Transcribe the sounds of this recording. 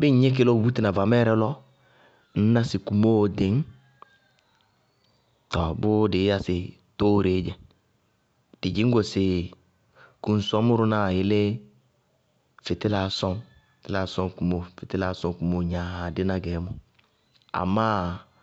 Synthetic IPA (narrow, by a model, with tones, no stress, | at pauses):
bɪ˦ɲ˦ɲɛ˦k̬ɪ˦lɔ˦˨bu˦ti˦na˨va˨mɛ˦ɾɛ˦lɔ˦ | n̩˦na˦sɪ˨ku˨mo˦˨dɪ˨˦ŋ˦ | tɔ˨bʊ˦dɪ˨˦a˦sɪ˨ | to˦ɾe˨˦d͡ʒɛ˨ | d̥ɪ˨d͡ʒɪ˨˦ŋ˦ɡo˨sɪ˨ | ku˨n̩˨sɔ˦mʊ˦ɾʊ˦na˦˨jɪ˨˦lɪ˦ | fɪ˨tɪ˦la˨˦sɔ˦m | ftɪ˦la˨˦sɔ˦ŋ˦ku˨mo˨fɪ˨tɪ˦la˨˦sɔ˦ŋ˦ku˨mo˦˨ɲã˨dɪ˦na˦ɡɛ˨˦mɔ˦ | a̰˨ma˦